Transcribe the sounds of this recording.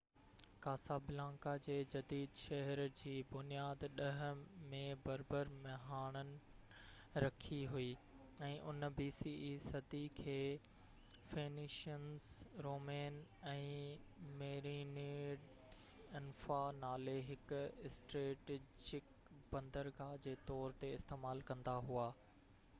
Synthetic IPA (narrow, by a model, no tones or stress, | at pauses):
kaːsaːbɪlãːŋkad͡ʑeːd͡ʑɐd̪iːd̪ʃɐɦɛɾd͡ʑiːbʊnijaːd̪ɗɐɦə̆mẽbɐɾbəɾmɐɦaːɽ̃ənɪ̆ | ɾɐkʰiɦuiː | ɛ̃ːʔʊnbiːsiːʔisɐd̪ikʰeː | feːnɪʃənsɾoːmeːnɛ̃ː | meːɾineɖ | sɪnfanaːleɦɪkɪsʈɾeːʈed͡ʑɪk | bɐ̃nd̪əɾɡad͡ʑeːt̪ɔːɾt̪eɪst̪eːmaːlkɐ̃nd̪aɦuaː